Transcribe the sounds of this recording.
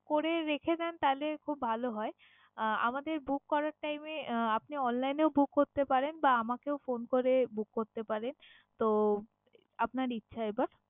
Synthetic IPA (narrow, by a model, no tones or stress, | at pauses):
koɾeɾekʰed̪ɛnt̪alekʰubʱaloɦɔe | a̰mad̪eɾbukːɔɾaɾʈajmeapniɔnlajneobukːoɾt̪epaɾenbaamakewfonkoɾebukːoɾt̪epaɾen | t̪o | apnaɾitːɕʰaebaɾ